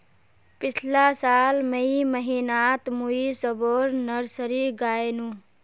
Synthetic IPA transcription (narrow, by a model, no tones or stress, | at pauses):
pɪt͡ʃʰlasaːlməjiməɦinat̪muisəboɾnəɾsəɾiɡaenũ